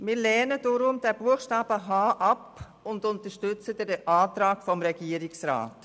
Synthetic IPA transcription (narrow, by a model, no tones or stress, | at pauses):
mɪːɾlɛnəd̥ɔɾʊmd̥ɛb̥uəxʃtaːb̥əɦaːʔɑp | ʊndʊntəʃtʏt͡sədɛdɛʔaːtɾaːkfɔmɾɛɡ̥iəɾɪksra̰ːt